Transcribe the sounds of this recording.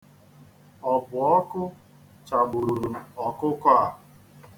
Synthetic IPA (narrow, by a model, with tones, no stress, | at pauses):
ɔ˨bʊ˨ɔ˦kʊ˦ | t͡ʃa˨bʊ˨ɾu˨ɾu˨ɔ˨kʊ˦kɔ˦a˨